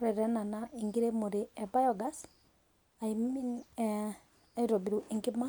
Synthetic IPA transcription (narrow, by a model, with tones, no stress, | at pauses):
ɾɛ˨ɾɛ˦na˨nai˨ŋɡi˦ɾe˦mo˨ɾe˨ɛba˦jɔɡa˦s | a˨imin˦ | iɾɔ˨bi˨ɾuʔiŋɡi˦ma˦